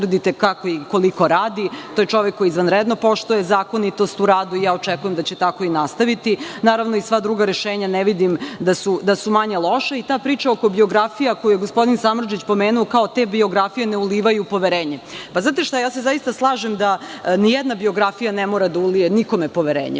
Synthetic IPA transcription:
r̩d̪it̪ekakoiko̞likoɾaːd̪it̪ojet͡ʃo̞ʋekːo̞jiːzʋanɾed̪no̞po̞ʃt̪ujezaːko̞nit̪o̞st̪uɾaːd̪uijaːot͡ʃɛkujemd̪at͡ɕɛt̪ako̞inast̪aʋit̪inaːɾaʋno̞isʋad̪ɾuːɡaɾeʃeːɲanɛʋid̪imd̪asud̪asumaɲelˠo̞ʃait̪aːpɾiːt͡ʃao̞ko̞bio̞ɡɾafijakojujeɡo̞spo̞d̪insamɾ̩d͡ʒit͡ɕpo̞meːnuokao̞t̪ebio̞ɡɾafije̞neuliːʋajupo̞ʋeɾeːɲepaznaːt̪eʃt̪ajaːse̞zajist̪aslˠaːʒemd̪anijɛd̪nabio̞ɡɾafijanemo̞ːɾad̪aulijeniko̞mepo̞ʋeɾḛːɲḛ

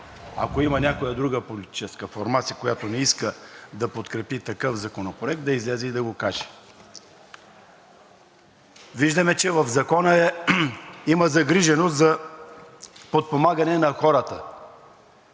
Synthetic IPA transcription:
ɐ̰koimɐnʲakojəd̪ɾuɡəpolit̪i̥t͡ʃɛskəfoɾmat̪sijəkojat̪onɛiskəd̪ɐpot̪kɾɛpit̪ɐkɤfzɐkonopɾoɛk̚t̪d̪ɐizlɛzɛid̪ɐɡokaʒɛ̥ | viʒd̪ɐmɛt͡ʃɛvɐvzɐkɔnəɛ | iməzɐɡɾiʒɛnost̪zɐ | pot̪̚pomaɡɐnɛnɐxɔɾət̪ə

